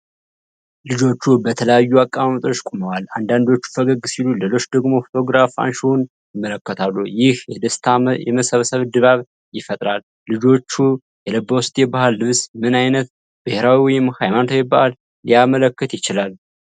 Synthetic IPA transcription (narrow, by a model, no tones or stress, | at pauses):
lɨd͡ʒo̞t͡ʃːubət̪ʰələjajːuakʼːamamət̪ʼo̞t͡ʃːkʼoməwaland̪and̪o̞t͡ʃːu̥fəɡəɡsilulelo̞t͡ʃːd̪əɡmo̞fo̞t̪ʰo̞ɡɾafa̰nʃun | jɪmːələkːət̪ʰalːujɪhjɛd̪əst̪ʰajɛməsəβsəβd̪ɨβaβ | jɪfət̪ʼɾalːɨd͡ʒo̞t͡ʃːu | jɛləbːowst̪ʼjɛbahalːɨβsmɨnajnət̪̚ | b̥ɨheɾawiwhajmant̪ʰowjɛbahalː | ijamələkːɨt̪jɪt͡ʃɪlalː